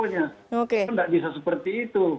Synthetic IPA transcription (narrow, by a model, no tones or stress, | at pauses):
ɲaokeŋdaʔbisasəpərt̪iːt̪u